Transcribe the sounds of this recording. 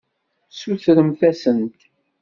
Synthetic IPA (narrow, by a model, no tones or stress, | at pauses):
suθɾəmθæsənt̪